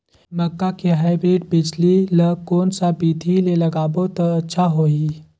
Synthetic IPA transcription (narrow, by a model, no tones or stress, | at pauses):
mɐkːakiɦaːɪbɾeːɖ̚bɪd͡ʒliləkoːnsabiːd̪ʱilelɐɡaːbot̪ɐɐtːʃʰaɦoːi